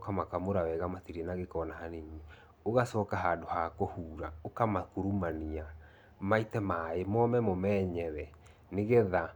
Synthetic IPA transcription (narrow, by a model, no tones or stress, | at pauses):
kamakamoɾawɛɣamatiɾɛnaɣekɔnahaneɲi | oɣasɔːkaɦadohakohuːɾaokamakuɾumania | maitɛmaemɔmɛmomɛːɲɛɾɛ | neɣeða